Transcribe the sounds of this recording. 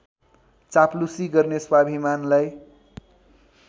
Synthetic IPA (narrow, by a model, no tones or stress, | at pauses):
t͡saplusiɡʌrneswabʱimanlaj